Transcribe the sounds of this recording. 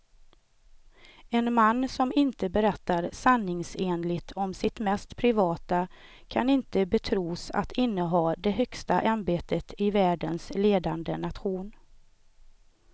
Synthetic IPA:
ɛnmanːsɔmɪnt̪əbɛɾɛt̪ːaɾsanːɪŋseːnlɪt̪ʰɔmsɪt̪mɛst̪pʰɾɪvɑːt̪a | kʰanɪnt̪əbɛt̪ʰɾuːsa̰t̪ʰɪnːəɦɑːd̪ɛɦœkst̪aʔanbeːt̪ət̪ʰɪvæːɖənsleːd̪and̪ənat̪ɧuːn

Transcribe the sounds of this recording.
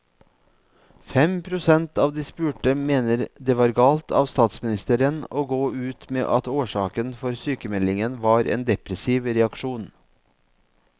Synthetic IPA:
fɛmpʰɾʊsɛnt̪ɑːʋd̪iːspʉːʈəmeːnəɾd̪eːʋɑːɾɡɑːlt̪ʰɑ̰ːʋst̪ɑːt̪smɪnɪst̪əɾənoːɡoːʉːt̪mḛːʔɑt̪oːʂɑːkənfɔɾsyːkəmɛd̪lɪŋənʋɑːɾḛːnd̪ɛpɾɛsiːʋɾɛɑkʂuːn

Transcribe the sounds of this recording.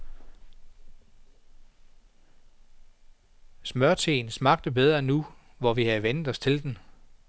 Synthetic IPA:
smɶɐt͡sʰḛːnsmɑ̈ɡ̥d̥əb̥eð̞ˠʁɐnːu | ʋɒʋihæʋenð̥̩ˠɒ̽st͡sʰe̝ld̥en

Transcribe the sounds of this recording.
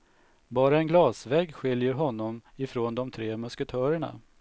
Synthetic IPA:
bɑːɾaɛnɡlɑːsvɛːɡɧɪljəɾɦɔnːɔmɪfɾoːnd̪ɔmt̪ʰɾeːmɵskət̪ʰœːɾəɳa̰

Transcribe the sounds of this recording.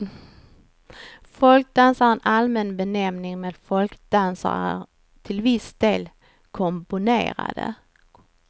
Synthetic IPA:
fɔlk̚d̪ansaɾɛnʔalmɛnbɛnɛmnɪŋmeːd̪fɔlkd̪ansa̰ɾæ̰ɾ | t̪ʰɪlvɪsd̪̥eːl | kʰɔmpʊnḛːɾa̰d̪ə̰

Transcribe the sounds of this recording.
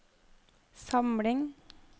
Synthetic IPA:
sɑmɽɪŋ

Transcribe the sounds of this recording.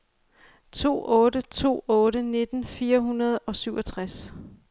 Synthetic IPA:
t͡sʰo̝̰ːʔɔ̽ːɾət͡sʰo̝̰ːɔ̽ːɾəne̝d̥n̩fiːɐɦunɐð̞̩ˠɒ̽syʊɒ̽t͡sʰʁas

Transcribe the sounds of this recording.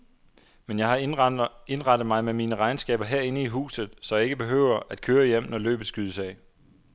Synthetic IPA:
menjɑ̈ɪhɑ̈ | e̝nʁɑ̈d̥ð̩ˠmɑ̈ɪmemiːnəʁɑ̈ɪnsɡ̥ɛ̰ːb̥ɐɦeɐ̰e̝nəiɦṵːsð̞̩ˠsɒ̽jɑ̈e̝ɡ̥əb̥e̝ɦø̰ːʊ̰ɐʔæd̥̚kʰøːɐjem̰nɒlø̰ːb̥ð̩ˠsɡ̥yðˠsɛɪ

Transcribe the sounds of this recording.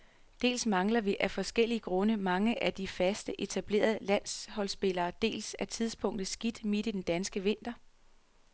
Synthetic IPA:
d̥e̝̰ːlsmɑ̈ŋlɐʋiʔæfɒ̽sɡ̥el̰iəɡ̥ʁɔ̽nəmɑ̈ŋəʔæd̥ifæsd̥əʔe̝t͡sʰæb̥le̝̰ːɐðˠlæn̰shɒ̽lsb̥e̝lɐːd̥e̝̰ːlsæt͡sʰið̞ˠsb̥ʰɔ̽ŋ̰d̥ð̩ˠsɡ̥id̥mid̥id̥end̥ænsɡ̥əʋe̝n̰d̥ɐ

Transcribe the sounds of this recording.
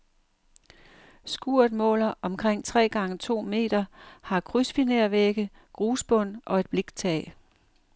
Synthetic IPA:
sɡ̥uɐ̰d̥mɔ̰̽ːlɐʔɒ̽mkʰʁeŋ̰t͡sʰʁɛ̰ːɡ̥ɑ̈ŋət͡sʰo̝̰ːme̝̰ːd̥ɐhɑ̈kʰʁysb̥ineɐʋeɡ̥ə | ɡ̥ʁuːsb̥ɔ̽n̰ʔɒ̽e̝d̥b̥le̝ɡ̥t͡sʰɛ̰ː

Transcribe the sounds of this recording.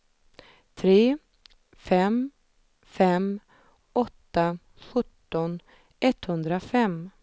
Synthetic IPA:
t̪ʰɾeː | fɛm | fɛm | ɔt̪ːa | ɧɵt̪ːɔn | ʔɛt̪hɵnd̪ɾafɛm

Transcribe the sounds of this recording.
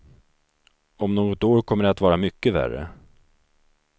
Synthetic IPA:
ɔmnoːɡɔt̪oːɾkʰɔmːəɖɛat̪vɑːɾamʏkːəvæ̰rə̰

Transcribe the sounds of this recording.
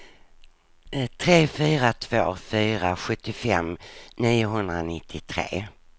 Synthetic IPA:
t̪ʰɾeːfyːɾat̪ʰv̥oːfyːɾaɧɵt̪ːɪfɛ̰mniːʊɦɵnd̪ɾanɪt̪ʰːɪt̪ʰɾḛː

